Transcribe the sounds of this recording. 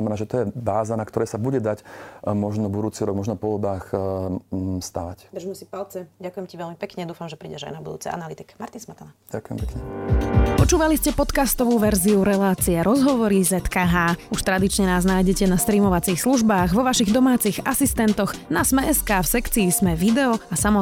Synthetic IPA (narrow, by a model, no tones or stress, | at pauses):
mɛnaːʒɛt̪ɔjɛbaːzanakt̪ɔɾɛːsabuɟɛd̪acmɔʒnɔbud̪uːt͡siɾɔɡ̚mɔʒnɔpɔɔbaːx | st̪aʋacbɛʒmɛsipalt͡sɛɟakujɛmciʋɛʎmipɛkɲɛd̪uːfamʒɛpɾiːɟɛ̰ʒa̰jnabud̪ṵːt͡sɛ̰ʔa̰nalit̪ikmaɾt̪insmat̪anaɟ̥akʊjɛ̰mpɛkɲɛpɔt͡ʃuːʋaliscɛpɔt̪kast̪ɔʋuːʋɛɾziuɾɛlaːt͡siɛɾɔzɦɔʋɔɾizɛt̪kaːɦaːuʃt̪ɾad̪it͡ʃɲɛnaːznaːjɟɛcɛnast̪ɾiːmɔʋat͡siːxsluʒbaːɣʋɔʋaʃiɣd̪ɔmaːt͡siɣasist̪ɛnt̪ɔɣnasmɛɛskaːfsɛkt͡siːzmɛʋid̪ɛɔasamɔ